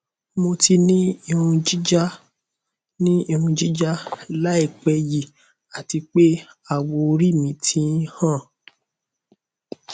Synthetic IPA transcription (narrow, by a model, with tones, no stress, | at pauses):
mo˧ti˧nĩ˦i˧ɾũ˧d͡ʒi˦d͡ʒa˦ | nĩ˦i˧ɾũ˧d͡ʒi˦d͡ʒa˦la˦i˦˨k͡pɛ˧ji˨ | a˨ti˧k͡pe˦ | a˦˨wo˧ɾi˦mĩ˧˦tʰĩ˦hã˦˨